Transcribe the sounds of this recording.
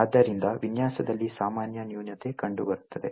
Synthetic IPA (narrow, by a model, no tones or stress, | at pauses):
aːd̪ːɐɾind̪ɐʋinjaːsɐd̪ɐlːisaːmaːnjɐnjuːnjɐt̪e̞kɐɳɖubɐɾut̪ːɐd̪e̞̰